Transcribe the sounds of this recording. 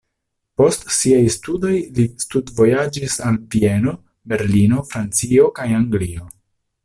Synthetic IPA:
po̞stsiajstudo̞jlistudvo̞jad͡ʒisalvie̞no̞ | be̞ɾlino̞fɾant͡sio̞kajaŋɡlio̞

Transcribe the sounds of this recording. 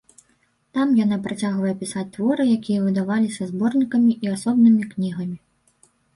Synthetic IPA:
t̪amjan̪apɾat͡sʲaɣvɐjɛpʲisat͡sʲt̪vɔɾɨjakʲijɐvɨd̪avalʲisʲɐzbɔrnʲikɐmʲiʔiasɔbnɨmʲiknʲiɣɐmʲi

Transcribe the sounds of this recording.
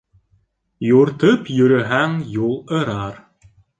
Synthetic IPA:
juɾt̪ɤpjɵ̆ɾɘ̆ɦæŋjulˠɤ̆ɾɑɾ

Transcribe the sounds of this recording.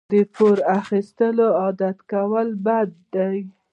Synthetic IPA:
d̪əpoɾaxist̪əloɑd̪at̪kawəlbad̪ːaj

